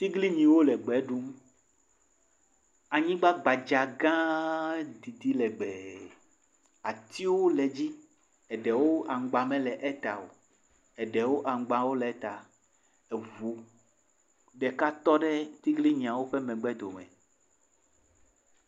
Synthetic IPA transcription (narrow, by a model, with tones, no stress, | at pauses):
t̪i˦ɡli˦ɲĩ˨wo˦lɛ˨ɡ͡bɛ˨˦ɖu˦m | a˨ɲĩ˦ɡ͡ba˦ɡ͡ba˨d͡ʒa˨ɡã˦ | d̪i˨t̪i˦lɛ˨ɡ͡bɛ˨ | a˨t̪i˦wo˦lɛ˨d͡ʑi˦ | ɛ˨ɖɛ˨wo˦ʔa˨ŋ˨ɡ͡ba˨mɛ̃˦lɛ˨ʔɛ˦t̪a˨wo̰˨ | ɛ˨ɖɛ˨wo˦ʔa˨ŋ̩˨˦ɡ͡bã˨wo˦lɛ˨˦t̪a˨ | ɛ˨vu˨ | ɖɛ˨ka˦t̪ɔ˦ɖɛ˦t̪i˦ɡli˦ɲĩ˨ã˨wo˦ɸɛ˦mɛ̃˨ɡ͡bɛ˦d̪o˨mɛ̰̃˨